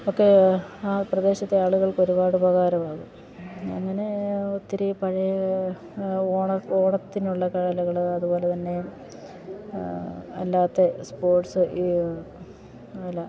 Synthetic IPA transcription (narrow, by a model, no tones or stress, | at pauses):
o̞kːe̞aːprɐd̪e̞ːɕɐt̪ːe̞aːɭuɣɐɭko̞ɾubaːɽubʱɐɣaːɾɐmaːɣɨ | ɐ̰ŋːɐne̞ot̪ːiɾipɐɻɐjɐ | oːɳɐoːɳɐt̪ːinuɭːɐkɐɻɐlɐɣɐɭɐðubo̞ːlet̪ɐnːe̞ | ɐ̰lːaːt̪ːe̞spo̞ːrʈsɨʔi | ɐlːɐ